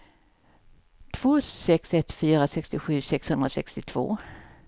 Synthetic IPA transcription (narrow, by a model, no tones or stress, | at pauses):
t̪ʰv̥oːsɛksɛt̪ːfyːɾasɛkst̪ɪɧʉ̟ːsɛkshɵnd̪ɾasɛkst̪ɪt̪ʰv̥o̰ː